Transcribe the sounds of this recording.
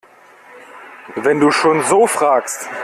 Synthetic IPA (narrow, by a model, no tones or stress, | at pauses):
vɛnduːʃoːnzoːfʁ̥aːkst